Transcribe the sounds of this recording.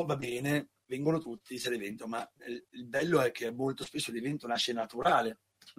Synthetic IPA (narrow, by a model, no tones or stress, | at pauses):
vabɛːne | vɛŋɡonot̪ut̪ːiselevɛnt̪omailbɛlːoɛk̟ːeɛmːolt̪ospesːolevɛnt̪onaʃːenat̪uɾaːle